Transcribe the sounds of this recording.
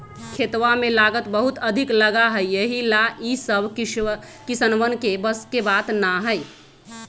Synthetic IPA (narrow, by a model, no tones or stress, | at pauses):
kʰeːt̪ʋamẽlaːɡət̪bəɦʊt̪əd̪ʱɪkləɡaɦɛjəɦilaʔisəbʱ | kɪsənʋənkebəskebaːt̪naɦəɪ